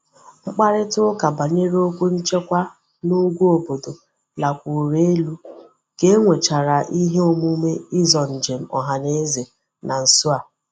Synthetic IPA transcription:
ŋ͡m̩˦k͡pa˦ɾɪ˦tʊ˦ʊ˦ka˨ba˨ɲe˦ɾo˦kʷu˦n̩˦t͡ʃe˦kʷa˦ | nu˦ɡʷu˦o˨bo˨do˨ | la˨kʷu˨ɾe˦e˦lu˦ | ke˦ŋʷe˨t͡ʃa˨ɾa˨ʔi˦ɦe˦o˨mu˦me˦ɪ˦zɔ˨n̩˨d͡ʒe˨m̩˦ɔ˨ɦa˨ne˦ze˨ | na˨n̩˨sʊ˦a˨

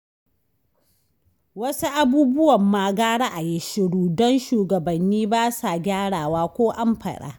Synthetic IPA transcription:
wɐ˦su˦ʔa˦buː˦bʊ˦wɐ˨mːaː˨ɡaː˦ɽa˦ʔa˨jɪ˦ʃɪ˨ɽuː˦dɔ˦nʃuː˨ɡɐ˨bɐ˨nːiː˦baː˦sa˨ɡʲaː˦ɽaː˨waː˦kʷoː˦ʔa˦mɸɐ̰˨ɗa̰ː˦

